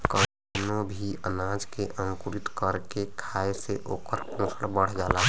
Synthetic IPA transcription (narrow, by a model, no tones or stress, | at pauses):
kə | nõbʱiənad͡ʒkeʔə̃ŋkuɾit̪kəɾkekʰaeseʔoːkəɾpɔ̃səɽbəɽ̤d͡ʒaːla